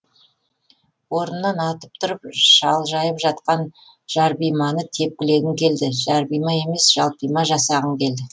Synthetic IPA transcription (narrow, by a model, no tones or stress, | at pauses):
wo̞ɾənːɑnɑt̪əp̚t̪ʰʊɾəp̚ʒɑlˠʒɑjəpʒɑt̪qɑn | ʒ̥ɑɾbijmɑnət̪ʰe̞p̚kʲɪle̞ɡ̪ʲɪŋkʲʰe̞ld̪ɪʒɑɾbijmɑje̞me̞sʒ̥ɑlˠpijmɑʒɑsɑʁəŋkʲʰe̞ld̪ɪ